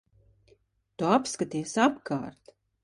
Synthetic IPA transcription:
t̪uapskat̪iɛsapka̰ːɾt̪

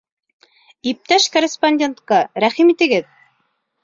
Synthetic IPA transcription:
ip̚t̪æʃkoɾʲɪsponʲdʲent̪qɑɾæχimit̪ɘ̆ɡɘð

